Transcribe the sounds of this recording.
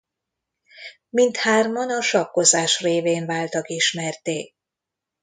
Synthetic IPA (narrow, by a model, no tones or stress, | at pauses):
mint̪haːrmɒnɒʃɒkːo̞zaːʃreːveːnvaːlt̪ɒkiʃmɛrt̪eː